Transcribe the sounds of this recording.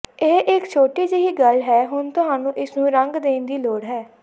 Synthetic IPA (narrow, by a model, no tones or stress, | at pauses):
eːʔɪkt͡ʃʰoːʈiːd͡ʒeɦiːɡəlɦɛːɦʊnt̪ʊɦaːnũːʔɪsnũːɾəŋɡd̪eːnd̪iːloːɽɦɛː